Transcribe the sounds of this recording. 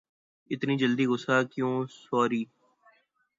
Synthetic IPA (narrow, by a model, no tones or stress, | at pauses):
ɪt̪niːd͡ʒəld̪iːɣʊsaːkjõːsɔːɾiː